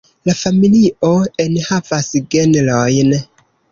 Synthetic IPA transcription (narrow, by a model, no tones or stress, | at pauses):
lafamiliʔo̞e̞nhavasɡenlojn